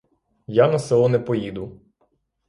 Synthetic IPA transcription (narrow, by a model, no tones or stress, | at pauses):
janɐsɛlˠɔnɛpɔjid̪ʊ